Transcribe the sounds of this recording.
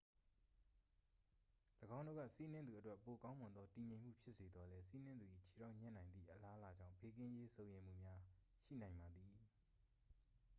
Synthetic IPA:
ləɡã˦ʊ̃ndo̰˦˨ɡa̰˦˨si˦nɪ̃˦nd̪u˨ʔətwɛ˦˨po˨kã˦ʊ̃mʊ̃˨nd̪ðɔ˦ti˨ɲẽ˨ɪ̃m̥ṵ˦˨pʰjɪ˦ʔse˨d̪ɔ˦lɛ˦si˦n̥ɪ̃˦nd̪u˨ʔi˨t͡ɕʰi̥˨ɾa˦˨ʔɲɛ̰̃˦˨nã˨ɪ̃nd̪ðḭ˦˨ʔəla˦ʔəla˨d͡ʑã̰˦˨ʊ̃mpe˦k̬ɪ̃˦je˦sʰõ˨ʊ̃jẽ˨m̥ṵ˦˨mja˦ | ʃḭ˦˨nã˨ɪ̃mba˨d̪ði˨

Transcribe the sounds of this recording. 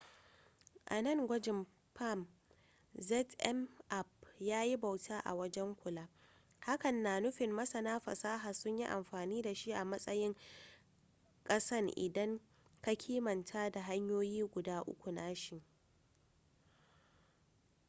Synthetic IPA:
ʔa̰˨nɐ˦˨ŋɡʷɐ˦d͡ʒɪ˨m | pʰa˦˨m | zɛ˦tʔɛ˦mʔa˦˨pjaː˦ji˦bɐ˨wtʰaː˦ʔa̰˨wɐ˦d͡ʒɛ˦ŋkʷʊ˨laː˦ | ha˦kɐ˨nːaː˨nʊ˦ɸɪ˨mːɐ˦sɐ˦naː˦ɸɐ̰˨saː˦ɦaː˨sʊ˦ɲji˦ʔa̰˨mɸaː˨niː˦da˨ʃi˦ʔa˨mɐ˦sʼɐ˦jɪ˦ŋ | kʼɐ˦sɐ˦rʔɪ̰˨dɐ˦ŋ | ka˦kʲʰiː˦mɐ˨ntʰaː˦da˨ɦa˦ɲjoː˦jiː˦ɡʷʊ˨daː˦ʔʊ̰˦kʷu˨naː˦ʃɪ˦˨

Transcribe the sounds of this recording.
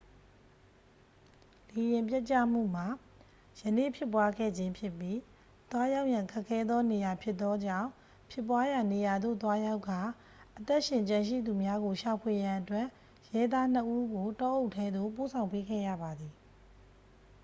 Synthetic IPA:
le˨jɪ̃˨mpjɛ˦t͡ɕa̰˦˨m̥ṵ˦˨m̥a˨ | jənḛ˦˨pʰjɪ˦p̬ːwa˦ɡɛ̰˦˨d͡ʑɪ̃˦mpʰjɪ˦pːji˦ | t̪wa˦ja˦ʊʔjã˨ŋkʰɛ˦kʰːɛ˦d̪ɔ˦ne˨ja˨pʰjɪ˦t̪ːɔ˦d͡ʑã˦˨ʊ̃ | pʰjɪ˦˨pwa˦ja˨ne˨ja˨d̪o̰˦˨t̪wa˦ja˦ʊkʰːa˨ | ʔət̪ɛ˦ʔʃɪ̃˨ɲt͡ɕã˨nʃ̬ḭ˦˨d̪u˨mja˦ɡo˨ʃa˨pʰwe˨jã˨ʔətwɛ̃˦˨ | jɛ˦d̪a˦n̥əʔu˦ɡo˨tɔ˦ʔo˦ʊʔtʰːɛ˦d̪o̰˦˨po˦˨sʰã˨ʊ̃mpe˦ɡɛ̰˦˨ja̰˦˨ba˨d̪i˨

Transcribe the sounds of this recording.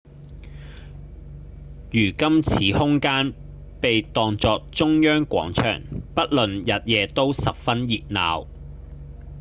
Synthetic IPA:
jyː˨˩kɐ˥mt͡sʰiː˨˥hʊ˥ŋkaː˥n | pe˨jt̪ɔː˨ŋt͡sɔː˧k̚t͡ʃʊ˥ŋjœː˥ŋkʷɔ̰ː˨˥ŋt͡ʃʰœ̰ː˨˩ŋpɐ˥t̚lɵ˨njɐ˨t̚jɛː˨˧t̪o˥wsɐ˨p̚fɐ˥njiː˨t̚na̰ː˨w

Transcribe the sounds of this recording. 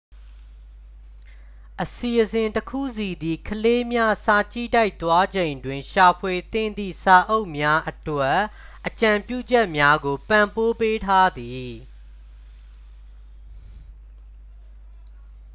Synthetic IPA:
ʔəsi˨ʔəzɪ̃˨ntəkʰṵ˦˨si˨d̪i˨kʰəle˦mja˦sa˨t͡ɕḭ˦˨ta˦ɪʔt̪wa˦d͡ʑẽ˨ɪ̃ndwɪ̃˨ʃa˨pʰwe˨t̪ɪ̰̃˦˨nd̪ḭ˦˨sa˨ʔo˦ʊʔmja˦ʔətwɛ˦ʔː | ət͡ɕã˨mpjṵ˦˨d͡ʑɛ˦ʔmja˦ɡo˨pã˨mpo˦pe˦tʰa˦d̪i˨

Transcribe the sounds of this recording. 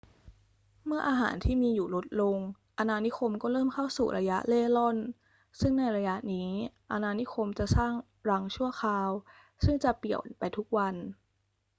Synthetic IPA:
mɯ˥˩ɐʔaː˧ɦa̰ː˩˦nt̪ʰiː˥˩miː˧juː˨˩lo˦˥t̪̚lo˧ŋ | ʔa˧naː˧ni˦˥kʰo˧mkɔː˥˩ɾɤː˥˩mkʰa˥˩wsṵː˨˩ɾʔa˧ja˦˥ʔleː˥˩lɔ˥˩n | sɯ˥˩ŋna˧jɾa˧ja˦˥ʔniː˦˥ʔa˧naː˧ni˦˥kʰo˧mt͡ɕa˨˩ʔsaː˥˩ŋ | ɾa˦˥ŋt͡ɕʰu˥˩ɐxʰaː˧w | sɯ˥˩ŋt͡ɕa˨˩pi˨˩əwpa˧jt̪ʰu˦˥k̚wa˧n

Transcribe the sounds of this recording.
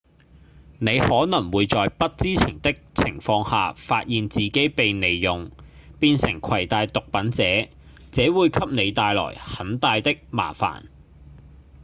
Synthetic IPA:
ne˨˧jhɔː˨˥nɐ˨˩ŋwuː˨˧jt͡sɔː˨jpɐ˥t̚t͡siː˥t͡sʰɪ˨˩ŋt̪ɪ˥k̚t͡sʰɪ˨˩ŋfɔː˧ŋha̰ː˨faː˧t̚jiː˨nt͡siː˨ke˨˥jpe˨jne˨˧jːʊ˨ŋpiː˧nsɪ˨˩ŋkʷʰɐ˨˩jt̪aː˧jt̪ʊ˨k̚pɐ˨˥nt͡sɛː˨˥ | t͡sɛː˨˥wuː˨˧jkʰɐ˥p̚ne˨˧jt̪aː˧jlɔ̰ː˨˩jhɐ˨˥nt̪aː˧jt̪ɪ˥k̚ma̰ː˨˩fa̰ː˨˩n

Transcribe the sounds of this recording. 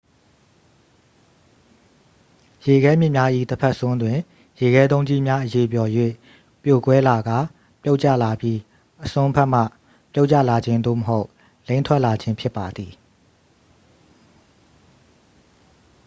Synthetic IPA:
je˨ɡɛ˦mjɪ˦˨mja˦ʔḭ˦˨t̪əpʰɛ˦ʔsʊ̃˦ndwɪ̃˨ | je˨ɡɛ˦d̪õ˦ʊ̃ɲd͡ʑi˦mja˦ʔəje˨p̬jɔ˨jwḛ˦˨ | pjo˨kwɛ˦la˨ɡa˦˨ | pjo˦ʊʔt͡ɕa̰˦˨la˨pji˦ | ʔəsʊ̃˦pʰɛ˦ʔm̥ä̰˦˨ | pjo˦ʊʔt͡ɕä̰˦˨la˨d͡ʑɪ̃˦nd̪o̰˦˨məɦo˦ʊʔ | lẽ˦ɪ̃ntʰwɛ˦ʔla˨d͡ʑɪ̃˦mpʰjɪ˦pːa˨d̪ði˨

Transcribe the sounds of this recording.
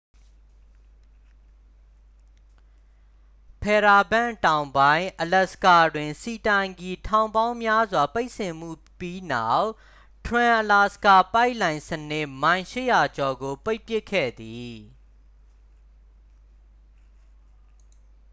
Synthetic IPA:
pʰɛ˨ɾa˨bã̰˦˨ntã˨ʊ̃mbã˦ɪ̃ʔəlɛ˦ʔsə̥ka˦˨dwɪ̃˨nsi˨tã˨ɪ̃ŋɡi˨tʰã˨ʊ̃mbã˦ʊ̃mja˦zwa˨pe˦ɪʔsɪ̃˨m̥ṵ˦˨pji˦na˦˨ʔ | tʰɹã˨ʔəla˨sə̥ka˦˨pa˦ɪʔlã˨ɪ̃sənɪ˦ʔmã˨ɪ̃ʃɪ̰˦˨ja˨t͡ɕɔ˨ɡo˨pe˦ɪpjɪ˦ʔkʰːɛ̰˦˨d̪i˨

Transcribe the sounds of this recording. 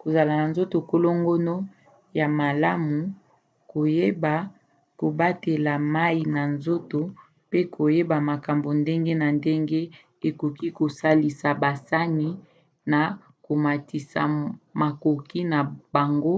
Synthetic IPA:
ko˨za˨la˨na˨nzo˦to˨ko˦lo˦ŋɡo˦no˦ | ja˨ma˨la˦mu˨ | ko˨je˦ba˨ | ko˨ba˦te˨la˨ma˦i˨na˨nzo˦to˨ | pe˦ko˨je˦ba˨ma˨ka˨mbo˨nde˦ŋɡe˦na˨nde˦ŋɡe˦ | e˨ko˨ki˦ko˨sa˦li˨sa˨ba˨sa˦ni˨ | na˨ | ko˨ma˨ti˨sa̰˨ma˨ko˨ki˦na˨ba˨ŋɡo˦

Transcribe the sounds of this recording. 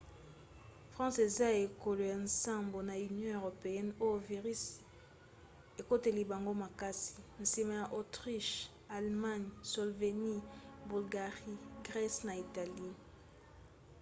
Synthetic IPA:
fʁɑ̃˦se˨za˦e˨ko˨lo˨jã˨nsã˦mbo˨na˨y˨njɔ̃˦ø˨ʁo˨pe˨jɛ˦no˦jo˨vi˨ʁi˦s | e˨ko˦te˨li˨ba˨ŋɡo˦ma˨ka˦si̥˨n̩˨si˨ma˨ja˨ʔo˨tʁi˦ʃ | a˨lma˦ɲso˨lve˨ni˦bu˨lɡa˨ʁi˦ɡʁɛ˦sna˨i˨ta˨li˦

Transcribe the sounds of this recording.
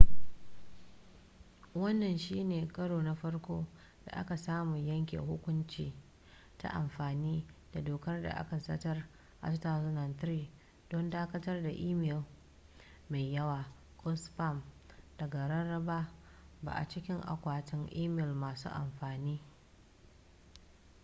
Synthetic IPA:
wɐ˦nːɐ˨nʃiː˦neː˨kʼɐ˦ɽoː˨na˦ɸɐ˦rkʷoː˦ | d̥a̰˨ʔa̰˦ka˨saː˦mu˨jɐ˦ŋkʲḛ˨hʊ˦kʷʊ˦nt͡ʃiː˨ | ta̰˦ʔa̰˨mɸaː˨niː˦d̥a˨doː˨kɐ˦rda̰˨ʔa̰˦ka˨sɐ˦tɐ˦r | ʔa̰˨sʊ˦taː˨zʊ˦nɐ˨nt̪ɾiː˨ | d̥ɔ˦ndaː˦kɐ˦tɐ˦rda˨ʔiː˦mɪ˨l | ma˨jːɐ˦waː˨ | kʼɔ˦spa˦˨md̥ɐ˨ɡa˨ɾɐ˦ɽɐ˦baː˦ | ba̰ː˨ʔa̰˨t͡ʃɪ˦kʲɪ˦ŋʔa̰˨kʷaː˨tɪ˦ŋʔiː˦mɪ˨lmaː˨sṵː˦ʔa̰˨mɸaː˨niː˦

